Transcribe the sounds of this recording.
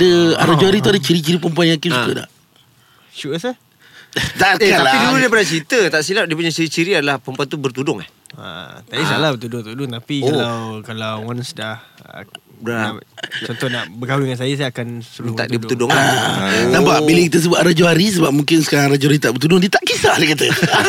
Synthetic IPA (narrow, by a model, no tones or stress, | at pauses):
adəaɾad͡ʒuɦaɾit̪uadət͡ʃiɾit͡ʃiɾipəmp̬uanjãŋkiukəda̰ʔ | ʃuʔəsə | t̪aaaiduludiəpənat͡ʃɾit̪ət̪aʔsilap̚diəpuɲat͡ʃiɾit͡ʃiɾiadalahpəmpuant̪ubərt̪udʊŋa̰h | a̰t̪aisalabət̪udʊŋt̪udʊŋt̪apikalawkalawwansdah | bɾat͡ʃɔnt̪ʊhnaʔbəkawiŋans̬ajəs̬aakansəənt̪a̰ʔdiəbət̪udʊŋaat̪ampabiləkit̪əs̬əbʊt̪ɾad͡ʒuɦaɾis̬əbap̚mũŋkɪnsə̥kaɾaŋɾad͡ʒuaɾit̪aʔbərt̪udʊŋdit̪aʔkisaʔdikat̪ə